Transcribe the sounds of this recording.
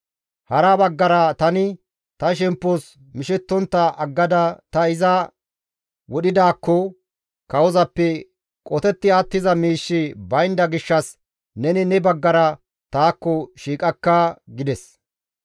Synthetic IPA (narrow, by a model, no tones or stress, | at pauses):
hɐɾabɐɡːɐɾɐt̪ɐnɪ | t̪ɐʃ̬ɛmpːos | mɪʃɛt̪ːɔnt̪ːɐʔɐɡːɐd̪ɐt̪ɐɪzɐ | wɔɗɪd̪aːkːɔ | kɐwɔzɐpːɛ | kʼɔt̪ɛt̪ːɪaːt̪ːɪzɐmiːʃːɪbɐjnd̪ɐɡɪʃːɐs | nɛnɪnɛbɐɡːɐɾɐ | t̪aːkːɔʃiːkʼɐkːaːɡɪd̪ɛs